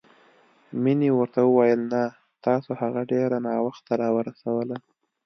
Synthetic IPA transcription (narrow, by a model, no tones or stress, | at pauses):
miniwəɾt̪awəwajəlna | t̪ɑsohaɣaɖeɾanɑwaxt̪ːaɾɑwəɾasawəla